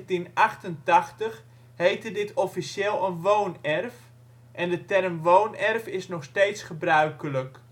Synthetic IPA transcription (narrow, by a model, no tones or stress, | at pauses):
tinaχtəntaχtəχ | hejtədɪtʰɔfisɪːlˠənʋownɛrf | ʔɛndətɛrmʋoːwnɛrfɪsnɔχsteːtsχəbrœɥkələk